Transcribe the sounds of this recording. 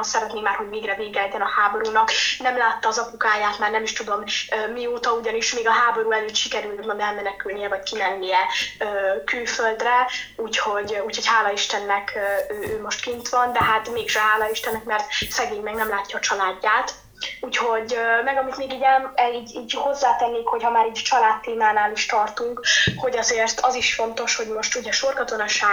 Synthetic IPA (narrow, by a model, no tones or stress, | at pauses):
sɛɾɛt̪neːŋmaːrɦo̞ɟveːɡrɛveːɡɛt̪ɛnɒhaːbo̞ɾuːnɒknɛmlaːt̪ːɒːzɒpukaːjaːt̪maːrnɛmiʃt̪ud̪o̞møːmːioːt̪ɒuɟɒniʃmeːɡɒɦaːbo̞ɾuːɛlic̪ʃikɛɾylmɒnɛlmɛnɛkylnijɛvɒckimɛnːijɛøːkylføld̪rɛuːcho̞ɟuːcho̞chaːlɒiʃt̪ɛnːɛkʰːøːøːmo̞ʃt̪kint̪ʋɒnd̪ɛɦat̪meːɡʒɛɦaːlɒiʃt̪ɛnːɛkmɛrt̪sɛɡeːɲmɛɡnɛmlaːcːɒːt͡ʃɒlaːɟːaːt̪ | uːcho̞ɟmɛɡɒmit̪meːɡiːɟɛmiːɟiːɟho̞zːaːt̪ɛnːeːkho̞chɒmaːɾiːɟt͡ʃɒlaːt̪ːeːmaːnaːliʃt̪ɒrt̪uŋkho̞ɟɒzeːrt̪ɒziʃfo̞nt̪o̞ʃho̞ɟmo̞ʃt̪uɟɛʃo̞rkɒt̪o̞nɒʃaː